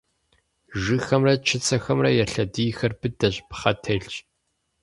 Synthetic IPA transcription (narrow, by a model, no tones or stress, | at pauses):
ʒɨxɐmrɐt͡ʃʰɪt͡sʰɐxɐmrɐjɛɬɐdiːxɐrbɨdɐɕpχɐtʰɐɬt͡ʃʼ